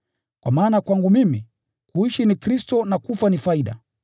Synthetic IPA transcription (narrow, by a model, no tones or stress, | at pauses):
kwa̰maːnakwaŋɡumimi | kuiʃinikɾistɔnakufanifaiɗa̰